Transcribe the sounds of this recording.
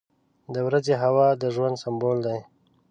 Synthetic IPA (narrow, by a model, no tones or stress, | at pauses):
d̪əwɾazeɦawɑd̪əʒwand̪sambold̪aj